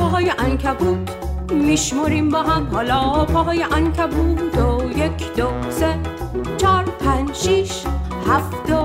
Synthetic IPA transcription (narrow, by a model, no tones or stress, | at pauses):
ɒɦɒːjeʔæŋkʰæbud̪ | miʃmoɾimbɒːɦæmhɒːlɒːpʰɒɦɑːjeʔæŋkʰæbud̪ojekʰd̪oset͡ʃʰɒːɾpʰænʃiʃ | hæfd̪o